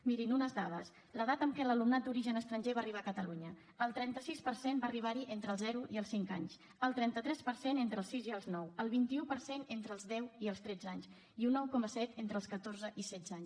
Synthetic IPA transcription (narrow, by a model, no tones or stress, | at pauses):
miɾinunəzðaðəs | ləðat̪əmkɛləlumnat̪̚d̪uɾiʒənəst̪ɾəɲʲʒeβaəriβakət̪əluɲə | əlˠt̪ɾɛnt̪əsispəɾsembariβ̞aɾiʔent̪ɾəlˠzɛɾuʔiəlˠsiŋka̰ɲs | əlˠt̪ɾɛnt̪ət̪ɾɛspəɾsenent̪ɾəːlˠsiziəlˠznɔwəlˠβ̞int̪iupəɾsenent̪ɾəlˠzðɛwiəlˠst̪ɾɛd͡zaɲs | iunːɔwkɔməsɛt̪ent̪ɾəlˠskət̪orzəʔisɛd͡zaɲs